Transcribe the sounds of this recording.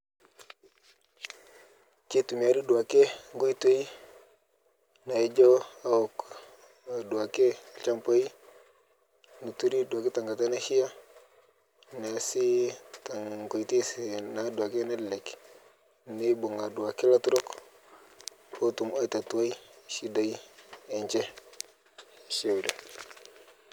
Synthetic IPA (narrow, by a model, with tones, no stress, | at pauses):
ki˦tu˨mi˨a˨ɾi˦du˨a˨ke˦ŋɡo˦i˦tu˦e˦i˦ | na˨i˦d͡ʒo˦a˦o˨k | du˨a˨ke˦˨t͡ʃa˦mpo˦i˦ | nu˨tu˦ɾi˦du˨a˨ke˦ta˨ŋɡa˨ta˦na˦hi˦a˦ | na˨si˦ta˨ŋko˨i˨ti˦si˨na˨du˨a˨ke˦na˦dlɛ˨k | ni˦bo˨ŋa˨du˨a˨ke˦la˦tu˦ɾo˦k | o˦tu˨mo˦i˦t̪a˨tu˨wa˦i˦˨ʃi˦da˨iː˦˨ɲt͡ʃɛ˦˨ | ʃe˦˨u˨da˨